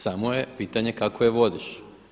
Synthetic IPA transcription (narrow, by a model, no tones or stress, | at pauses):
samojepiːt̪aɲe̞kakoje̞ʋo̞d̪iʃ